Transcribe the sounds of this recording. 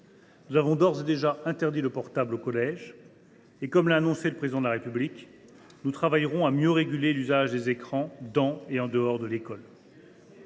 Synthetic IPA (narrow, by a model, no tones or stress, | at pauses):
nuzavɔ̃d̪ɔʁzed̪eʒaɛ̃t̪ɛʁd̪iləpɔʁt̪ablokɔlɛʒ | ekɔmlaːnɔ̃seləpχezid̪ɑ̃d̪əlaʁepyblik | nut̪χavajʁɔ̃amjøʁeɡʲylelyzaʒd̪ezekχɑ̃d̪ɑ̃eɑ̃d̪əɔʁd̪əlekɔl